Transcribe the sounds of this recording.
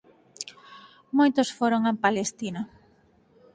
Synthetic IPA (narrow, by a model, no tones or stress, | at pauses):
mojt̪ʊsfoɾoŋẽmpalest̪ina